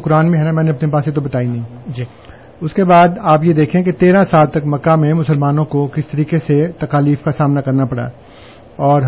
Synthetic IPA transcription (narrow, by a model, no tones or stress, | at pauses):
kʊɾaːnmẽɦɛnamɛ̃ːnẽɐpnepaːset̪̬obɐt̪aːinɐĩːd͡ʒ | ʊskebaːd̪aːpjed̪eːkʰẽket̪eːɾãsaːlt̪ɐkmɐkːamẽmʊsəlmaːnõkokɪst̪ɐɾiːkeset̪ɐkaːliːfkasaːmnakɐɾnapɐɽa̰ | ɔːɾɦ